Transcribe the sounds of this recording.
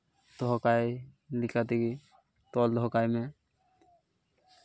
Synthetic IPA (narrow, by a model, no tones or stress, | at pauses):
d̪̥ʱɔkaj | likat̪iɡi | t̪ɔld̪ʱɔkajmẽ